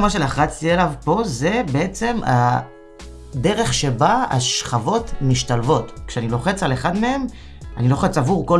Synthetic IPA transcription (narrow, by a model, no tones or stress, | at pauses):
maʃelaχat͡stielavpo̞ze̞be̞e̞t͡se̞ma̰ | d̪e̞ʁe̞χʃe̞baa̰ʃχavo̞tmiʃtalvo̞tkʃeanilo̞χe̞t͡saleχadmee̞m | a̰nilo̞χe̞t͡savuʁko̞